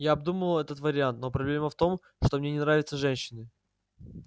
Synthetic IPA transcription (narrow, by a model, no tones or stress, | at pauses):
jaːb̚d̪uməlˠɛt̪ət̪vəɾʲɪant̪no̞pɾɐblʲe̞məft̪o̞m | ʂt̪o̞mnʲenʲɪnɾavʲɪt̪səʐɛnʲɕːɪnɨ